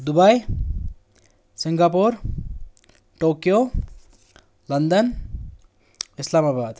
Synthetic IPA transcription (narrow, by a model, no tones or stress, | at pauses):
d̪ubaj | siŋɡapuɾ | ʈokjo | lʌnd̪ʌn | ɪslamabaːd̪